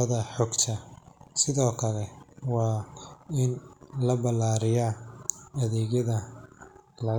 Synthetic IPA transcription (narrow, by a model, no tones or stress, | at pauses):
ɐðɐħɔːɡt̪ʰɐsɪðɔːkʰɐlɛwɑːɪnlɐbɐlaːɾɪjaːɐðɛːɣjɐðɐ | lɐɣ